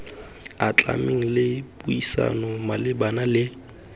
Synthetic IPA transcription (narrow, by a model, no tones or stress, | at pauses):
at͡ɬʼa̰miŋ̩lɪpʼuisa̰nɔmalɪbanalɪ